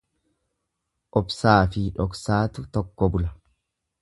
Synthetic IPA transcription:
ʔɔbsaːfɪᶑɔksaːt̪ʊt̪ɔkːɔbʊlɐ

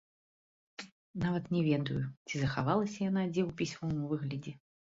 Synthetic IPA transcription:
navɐt̪nʲɛvʲɛd̪ujʊt͡sʲizɐxavalˠɐsʲɐjanad͡zʲɛwpʲisʲmɔmuvɨɣlʲɐd͡zʲɛ

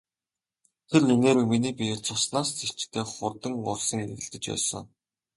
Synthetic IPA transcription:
t̪ʰernineːɾɘminiːpʲijt͡sʰʊsnaːst͡sʰi̥t͡ɕt̪ʰeːχʊrt̪ə̆ŋʊ̰rsə̆ŋerɣɘ̆ɮt̪ɘ̆t͡ɕpæ̰ːsə̰̆ŋ

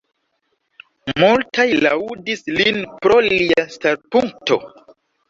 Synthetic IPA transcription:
multajlaudislinpɾo̞liastaɾpuŋk̚to̞̰

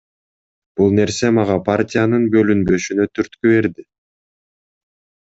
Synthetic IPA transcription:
b̥ulˠne̞ɾse̞mɑʁɑpʰartʲɪjanɯnbø̞lynbø̞ʃynøt̪ʰyɾt̪kyβe̞ɾd̪ɪ

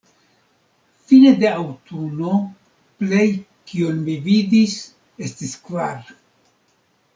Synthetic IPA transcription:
filede̞awtuno̞ | ple̞j | kionmividis | estiskvaɾ

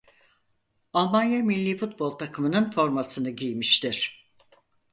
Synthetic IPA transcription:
alˠmanjamilʲːiːfut̪̚bo̞lˠt̪ʰakʰɯmɯnɯnfo̞ɾmasɯnɯɟijmiʃt̪ʰiɾ̥

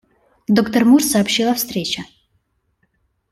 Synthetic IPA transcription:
d̪okt̪ərmursɐːpɕːilˠɐfst̪ɾʲet͡ɕə

